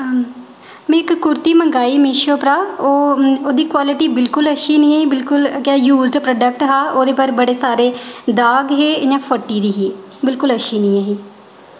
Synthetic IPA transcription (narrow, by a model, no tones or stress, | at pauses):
mẽɪkːʊɾt̪iːməŋɡaːiːmeːʃoːpɾaːoːoːd̪iːkwaːlɪʈiːbɪlkʊləʃiːnĩːaːiːbɪlkʊlkːjuːzɖpɾoːɖək̚ʈɦaːʔoːd̪eːpəɾbəɽeːsaːɾeːd̪aːɡɦeːd͡ʒãːpʰəʈːiːd̪iːɦiː | bɪlkʊləʃiːnĩːaːɦiː